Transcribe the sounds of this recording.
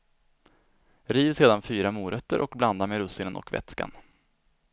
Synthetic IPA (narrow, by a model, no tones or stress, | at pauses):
ɾiːvseːd̪anfyːɾamuːɾœt̪ːəɾʔɔkbland̪ameɾɵsɪnənɔ̰kvɛ̰t̪ska̰n